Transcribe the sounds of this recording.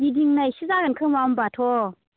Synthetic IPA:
didiŋnajsizakankʰɯŋmambatʰɔ

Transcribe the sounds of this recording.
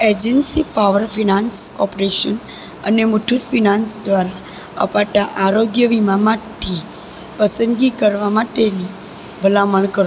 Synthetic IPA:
ed͡ʒənsipaʋəɾfʰinansɔpɾeʃən | ənemuʈʰut̪finãnsd̪ʋaɾa | ə̰paʈaʔaɾoɡjəʋimamaʈʰi | pəsənɡikəɾʋamaʈeni | bʱəlaməɳkəɾ

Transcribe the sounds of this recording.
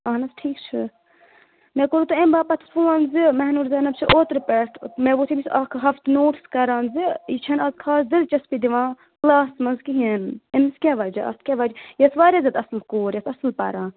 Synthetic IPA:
ɐːnɐsʈʰiːkt͡ʃʰi | mɛ̃ːkoɾut̪uembaːpɐt̪ʰfʰuːãːnzimɛɦnuɾzɐːnɐb̚t͡ʃʰiʔoːt̪ɾpɛʈʰmɛ̃ːʋoːt̪ʰibisɐkʰɦɐft̪noːʈskɐɾãːnziit͡ʃʰɐnɐzkʰaːsd̪ilt͡ʃɐspid̪iʋãː | klaːsmɐnzkiɦinemiskʲaːʋɐːd͡ʒɐɐ̰st̪ʰkʲaʋaːd͡ʒjɐsʋaːɾjazʲɐt̪ɐslkoːɾjɐsɐslpɐ̰ɾãː

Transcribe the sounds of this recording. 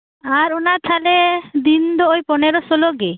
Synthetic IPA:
aɾɔnat̪ʰalɛd̪ind̪ɔojpɔnɛɾɔsɔlɔɡe

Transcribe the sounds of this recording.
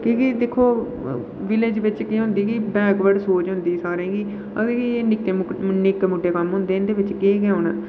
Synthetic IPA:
kikid̪eːkʰːoː | ʋɪled͡ʒʋɪt͡ʃkiɦʊ̃nd̪iːɡiːbɛːkʋəɖsoːt͡ʃɦʊ̃nd̪iːsaːɾẽːɡiː | ə̰ɡəɾkiːnɪkːeːnɪkmʊʈːeːkəmɦʊ̃nd̪eːɪnd̪eːʋɪt͡ʃkẽːkɛ̃ːõːna̰ː

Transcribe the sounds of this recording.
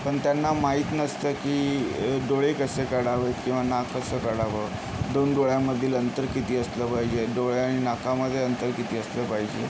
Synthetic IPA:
pəɳt̪janːamaɦiːt̪nəst̪əːkiːɖoɭekəsekəɽaʋəkĩw̃ʋanakːəsəkəɽaʋə | d̪onɖoɭjamːəd̪ʱːiːlənt̪əɾkit̪iːəsləːpaɦid͡ʑeɖoɭeaɽ̃inakaməd̪ʱːjeənt̪əɾkit̪iːəsləːpaɦid͡ʑe

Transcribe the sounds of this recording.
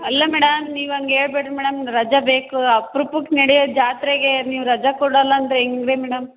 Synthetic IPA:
ɐlːɐmɛːɽɐmniːʋuɐŋɡeeːɭbeʈɾumɛːɽɐmɾɐd͡ʒɐbeːkuapɾupukːenɐɽijod͡ʒaːt̪ɾeɡeniːʋuɾɐd͡ʒɐkɔɽɐlːɐːnd̪ɐɾeeŋɡɡɾemɛːɽɐm

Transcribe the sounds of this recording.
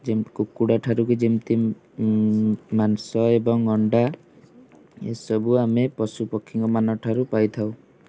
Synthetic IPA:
d͡ʒemkukːuɽaʈʰaɾukud͡ʒimt̪i | mansɔebɔŋɔɳɖa | ḛsɔbuamepɔsupɔkʰːiŋkɔmanɔʈʰaɾupajt̪ʰaw

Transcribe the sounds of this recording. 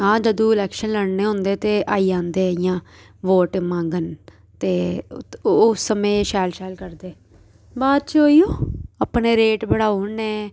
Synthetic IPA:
ãːd͡ʒəd̪õːɪlɛːkʃənləɽneːɦʊ̃nd̪eːt̪eːʔaːiːd͡ʒãːnd̪eːɪjãː | ʋoːʈːmãːŋɡən | t̪eː | sːəmẽːʃaːlʃaːlkəɾd̪eː | baːd̪̚t͡ʃoːiːoːaːpɳeːɾeːʈbəɽaːoneː

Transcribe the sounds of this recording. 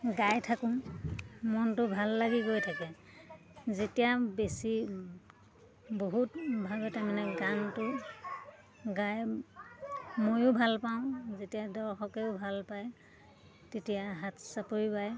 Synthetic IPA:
ɡajtʰakʊ̃ | mɔntʊbʱalːaɡikojtʰakɛ | zetijabesi | boɦutbʱabɛtamanɛɡantʊ | ɡaj | mojʊbʱalpaʊ̃zetijadɔɹxɔkɛʊbʱalpaj | tetijaɦatʰsapoɹipaj

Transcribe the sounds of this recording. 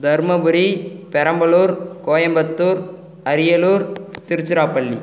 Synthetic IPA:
d̪ʱɐɾmɐbʊɾipɛɾɐmbɐɭuːɾkoːjɐmbɐt̪ːuːɾ | ɐɾɪjɐluːɾt̪ɪɾɯt͡ʃːɪɾaːpːɐɭːi

